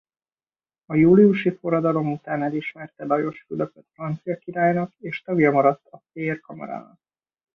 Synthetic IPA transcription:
ɒjuːliuʃifo̞rɒd̪ɒlo̞mut̪aːnɛliʃmɛrt̪ɛd̪ɒjo̞ʃfyløfɛt̪frɒnt̪sijɒkiɾaːjnɒkeːʃt̪ɒɡjɒmɒɾɒt̪ːɒferkɒmɒ̰ɾa̰ːnɒ̰k

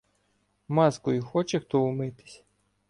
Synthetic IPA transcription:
mɑskʊjixɔt͡ʃext̪ɔʊmɪt̪ɪ̥sʲ

